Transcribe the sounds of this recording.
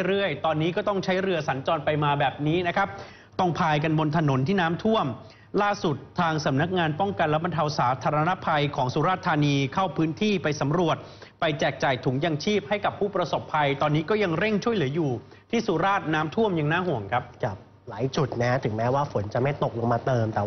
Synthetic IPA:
ɾɯ˥˩əjt̪ɔː˧nːiː˦˥kɔː˥˩t̪ɔ˥˩ŋt͡ɕʰa˦˥jɾɯ˧ɐsa˩˦nt͡ɕɔː˧npa˧jmaː˧bɛː˨˩p̚niː˦˥na˦˥kʰa˦˥p̚ | t̪ɔ˥˩ŋpʰaː˧jka˧nbo˧nt̪ʰa˧no˩˦nt̪ʰiː˥˩naː˦˥mt̪ʰu˥˩əm | laː˥˩su˨˩t̪ʰːaː˧ŋsa˩˦mna˦˥k̚ŋaː˧npɔ˥˩ŋka˧nlɛː˦˥ba˧nt̪ʰa˧wsaː˩˦t̪ʰaː˧ɾa˧na˦˥pʰa˧jkʰɔː˩˦ŋsuː˧˦ɾaː˥˩t̪ʰːaː˧niː˧kʰa˥˩wpʰɯː˦˥nt̪ʰiː˥˩pa˧jsa˩˦mɾu˨˩ət̪̚pa˧jt͡ɕɛː˨˩k̚t͡ɕaː˨˩jt̪ʰu˩˦ŋjaː˧ŋt͡ɕʰiː˥˩p̚ha˥˩jka˨˩pʰːuː˥˩pɾa˧so˨˩pʰːa˧jt̪ɔː˧nːiː˦˥kɔː˥˩ja˧ŋɾe˥˩ŋt͡ɕʰu˥˩əjlɯ˩˦juː˨˩ | t̪ʰiː˥˩suː˨˦ɾaː˥˩t̪̚naː˦˥mt̪ʰu˥˩əmja˧ŋnaː˥˩ɦu˨˩əŋkʰɾa˦˥p̚ka˦˨˩ | laː˩˦jt͡ɕu˨˩t̪̚na˦˥t̪ʰɯ˩˦ŋmɛː˦˥waː˥˩fo˩˦nt͡ɕa˨˩ma˥˩jt̪o˨˩k̚lo˧ŋmaː˧t̪ɤː˧mt̪ɛː˨˩

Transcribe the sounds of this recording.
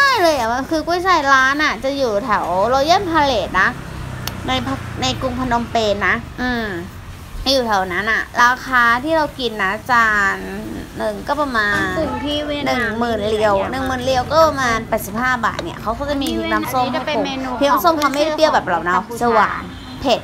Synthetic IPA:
t͡ɕa˥˩jlɤː˧jʔa˨˩wa˧kʰɯː˧kuː˥˩jsa˧˩jɾaː˦˥nʔa˨˩t͡ɕa˨˩juː˨˩t̪ʰɛ˩˦wɾɔ˧ja˥˩ə˨npʰa˧leː˨˩t̪̚na˦˥ | na˧jpʰna˧jku˧ŋpʰa˧no˧mpeː˧nːa˦˥ʔɯː˧˩m | juː˨˩t̪ʰɛ˨˩˦wna˦˥nʔa˨˩ɾaː˧kʰaː˧t̪ʰiː˥˩ɾa˧wki˧nːa˦˥t͡ɕaː˧nːɯ˨˩ŋkɔː˥˩pa˧˩maː˧nʰ˨˩˥nːɯ˨˩ŋmɯː˨˩nli˧əwnɯ˨˩ŋmɯː˨˩nli˧ə˧wkɔː˥˩pa˧maː˧npɛː˨˩t̪̚si˨˩p̚haː˥˩ba̰ː˨˩t̪̚ni˦˥˩ɐkʰa˦˥wkɔ˥˩t͡ɕa˨˩miː˧u˧na˦˧˩so˥˩˧mi˧na˧˥˧so˥˨mkʰa˧˥ma˥˩˨u˥˧˩i˧əwbɛː˨˩p̚la˨˩wna˧˩wsa˧wa̰ː˨˦n | pʰe˨˩t̪̚

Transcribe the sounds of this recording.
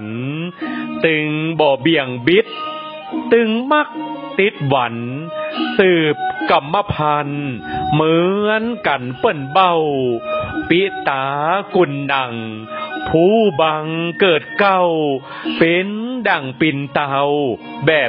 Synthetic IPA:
n | t̪ɯ˧ŋbɔː˨˧˩bi˧˩əŋbi˦˥t̪̚ː | ɯ˧ŋma˧˥˩k̚t̪i˧˦˥t̪̚wa˨˦n | sɯː˨˩p̚ka˨˧˩mːa˧pʰa˧nmɯː˦˥ənka˧˦npɤ˧˩nba˧˩w | pi˦˥ʔt̪aː˦˥ku˧˩nda˨˩ŋ | pʰuː˧˥ba˧ŋkɤː˨˩t̪̚ka˧˩w | pe˧˥nda˨˩ŋpi˧nt̪a˧w | bɛː˨˩

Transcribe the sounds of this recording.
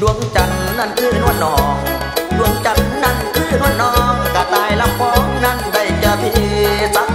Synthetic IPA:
du˧˩əŋt͡ɕa˨˩n˧na˧˩nkʰɯː˧˥˩nu˧˩ənːɔː˨˦ŋ | du˧˩əŋt͡ɕa˨˩nna˧˩nkʰɯː˧˥˩nu˧˩ənːɔː˨˦˨ŋkaː˧˩t̪aː˧˩jla˧˥˩mfɔː˧˩ŋna˧˥˩nda˧˩jt͡ɕaː˧˩t̪ʰiː˧˩˧sa˧˦˥

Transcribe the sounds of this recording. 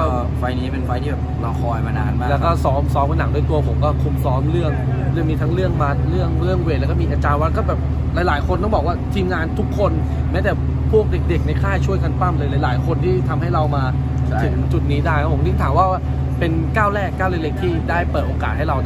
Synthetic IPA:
kɔ˧˩˧ | fa˧jniː˦˥pe˧nfa˧jt̪ʰiː˥˩ɛː˨˩pɾa˧wkʰɔː˧jma˧na̰ː˧nmaː˥˩lɛː˦˥wkɔː˥˩sɔː˦˥msɔː˦˥mkʰa˧na˩˦ŋdu˥˩jt̪u˧ɐpʰo˩˦mkɔː˥˩kʰu˧msɔː˦˥mɾɯ˥˩əŋlɯ˥˩əŋmiː˧t̪ʰa˦˥ŋɾɯ˥˩əŋma˦˥t̪̚ɾɯ˥˩əŋlɯ˥˩əŋwe˧˩lɛː˦˥kɔ˥˩miː˧ʔaː˧t͡ɕaː˧nwa˦˥˧kɔː˥˩bɛː˨˩p̚ | la˨˧˦jlaː˩˦jkʰo˧nt̪ɔ˥˩ŋbɔː˨˩k̚waː˥˩t̪ʰiː˧mŋaː˧nt̪ʰu˦˥kʰːo˧n | mɛː˦˥t̪ɛː˨˩ | pʰu˥˩ək̚de˨˩k̚de˨˩k̚na˧jkʰaː˥˩jt͡ɕʰu˥˩əjkʰa˧npa˥˩mlɤː˧jla˨˦jlaː˩˦jkʰo˧nt̪ʰiː˥˩t̪ʰa˧mha˥˩jɾa˧wmaː˧ | ɯ˩˦ŋt͡ɕu˨˩t̪̚niː˦˥daː˥˩ja˧˦˩pʰo˩˦nɯ˧˥ŋt̪ʰaː˩˦mwaː˥˩waː˥˩ | pe˧nkaː˥˩wlɛː˥˩kːaː˥˩wle˥˩le˦˥k̚t̪ʰiː˥˩daː˥˩jpɤː˨˩t̪̚ʔoː˧kaː˨˩t̪̚ha˥˩jɾa˧

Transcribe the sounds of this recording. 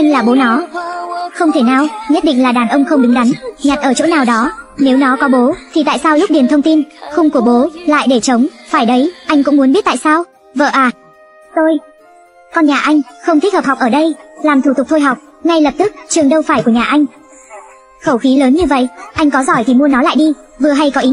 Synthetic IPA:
ʔa˧jŋ̟laː˨˩ɓo˨˦nɔ˨˦ | xə˧wŋ͡mt̪ʰe˧˩naː˧˩wɲə˦˥t̚ɗḭ̈˧˨ŋ̟laː˨˩ɗaː˨˩nʔə˧wŋ͡mxə˧wŋ͡mɗɨ˨˦ŋɗa˨˦jŋ̟ɲa˨˩t̚ʔəː˧˩t͡ɕo̰˧˥naː˨˩wɗɔ˨˦ne˨˦wnɔ˨˦kɔ˨˦ɓo˨˦t̪ʰi˨˩t̪a̰ː˧˨jsaː˧wlʊ˦˥k͡p̚ɗi˨˩ənt̪ʰə˧wŋ͡mt̪i˧nxʊ˧wŋ͡mku˧˩əɓo˨˦la̰ː˧˨jɗe˧˩t͡ɕə˨˦wŋ͡mfaː˧˩jɗə˨˦jʔa˧jŋ̟kʊ̰˧˥ŋ͡mmu˨˦ənmɓi˦˥t̚t̪a̰ː˧˨jsaː˧w | və̰ː˧˨ʔaː˨˩ | t̪o˧j | kɔ˧nɲaː˨˩ʔa˧jŋ̟xə˧wŋ͡mt̪ʰi̟˦˥hə˨˩ha˨˩wk͡p̚ʔəː˧˩ɗə˧jlaː˨˩mt̪ʰu˧˩ʊ˨˩k͡p̚t̪ʰo˧jɦa˨˩wk͡p̚ | ŋa˧jlə˨˩p̚t̪ɨ˦˥k̚t͡ɕɨ˨˩əŋɗə˧wfaː˧˩jku˧˩əɲaː˨˩ʔa˧jŋ̟ | xə˧˩wxi˨˦ləː˨˦nɲɨ˧və̰˧˨jʔa˧jŋ̟kɔ˨˦zɔ˧˩jt̪ʰi˨˩mu˧ənɔ˨˦la̰ː˧˨jɗi˧vɨ˨˩əɦa˧jkɔ˨˦ʔi˨˦

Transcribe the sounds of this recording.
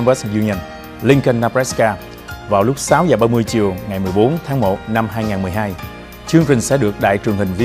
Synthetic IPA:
wɛ˦˥szu˧ni˧ə˧˩n | li˧ŋkə˧nːaː˧pɛ˦˥skaː˧ | vaː˨˩wlʊ˦˥k͡p̚saː˨˦wzaː˨˩ɓaː˧mɨ˧əjt͡ɕi˨˩əwŋa˨˩jmɨ˨˩əjɓo˨˦nt̪ʰaː˨˦ŋmo̰˨˩t̚na˧mɦaː˧jŋaː˨˩nmɨ˨˩əjɦaː˧j | t͡ɕɨ˧əŋt͡ɕï˨˩ŋ̟sɛ̰˧˥ɗɨ˨˩ək̚ɗa̰ː˧˨jt͡ɕɨ˨˩əŋhï˨˩ŋ̟vi˧

